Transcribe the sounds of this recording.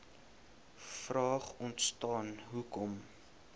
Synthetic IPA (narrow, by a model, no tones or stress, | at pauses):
frɑːχɔntstɑːnɦukɔm